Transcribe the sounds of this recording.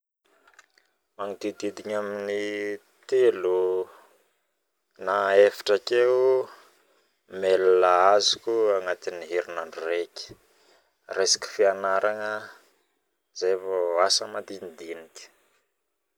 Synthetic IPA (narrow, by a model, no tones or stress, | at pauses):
maŋid̪id̪id̪iɲamini | t̪elu | naefḁʈ͡ʂakeu | melalaazukuaŋat̪iniɦeɾinaɳɖ͡ʐureki̥ | resi̥ki̥fianaɾʔaŋə | zevoasəmad̪ind̪iniki̥